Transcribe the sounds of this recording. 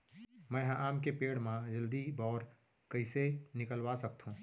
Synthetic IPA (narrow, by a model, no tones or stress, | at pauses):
mɛ̃ːɦʔaːmkepeːɽmãd͡ʒɐld̪ibɔːɾ | kɐisenɪkəlwasɐk̚t̪ɦũː